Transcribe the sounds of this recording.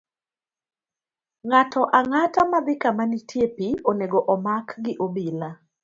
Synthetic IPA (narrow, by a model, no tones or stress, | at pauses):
ŋatɔʔaŋatamad̪ɪkamanitʰjepioneɡoʔɔmakɡɪʔobila